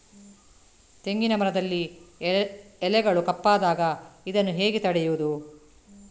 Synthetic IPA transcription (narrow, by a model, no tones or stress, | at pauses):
t̪e̞ŋɡinɐmɐɾɐd̪ɐlːi | ɛlɛɡɐɭukɐpːaːd̪aːɡɐid̪ɐnːuɦeːɡet̪ɐɽɛjuʋud̪u